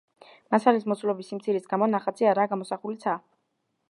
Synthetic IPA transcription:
masalismɔt̪sʰulɔbisimt̪sʰiɾisɡamɔnaχat̪sʰiaɾaɡamɔsaχulit̪sʰaː

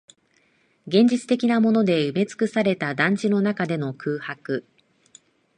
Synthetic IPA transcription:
ɡẽ̞ɲ̟d͡ʑit͡sɨ̥t̪e̞kʲinamo̞no̞d̪e̞ɯ̟me̞t͡sɨ̥kɯ̟saɾe̞t̪ad̪ãɲ̟d͡ʑino̞nakad̪e̞no̞kʰɯːhakɯ̟

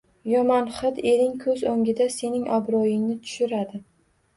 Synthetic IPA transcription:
jɒmanχɨd̪e̞ɾɪŋkʰɵzoŋɡʲɪd̪ase̞nɪŋʔabɾɒjɪŋnɪt̪ʰʊ̥ʃʊɾad̪ɪ

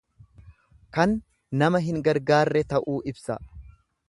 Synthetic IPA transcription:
kɐnː | ɐmɐɦɪŋɡɐɾɡaːrːɛt̪ɐʔuːʔɪbsɐ

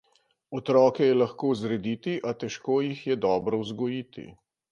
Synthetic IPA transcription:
ɔt̪ɾɔːkɛjɛlaxkoːzɾɛd̪it̪iʔat̪ɛʃkoːjixjɛd̪ɔːbɾɔwzɡɔjit̪ḭ

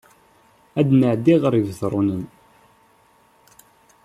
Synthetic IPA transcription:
æd̪nəʕd̪iʁɾˤivθɾˤunən

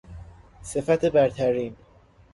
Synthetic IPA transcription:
se̞fæt̪ʰebæɾt̪ʰæɾiːn

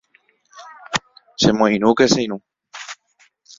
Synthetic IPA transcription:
sẽmõĩñũkeseĩnũ

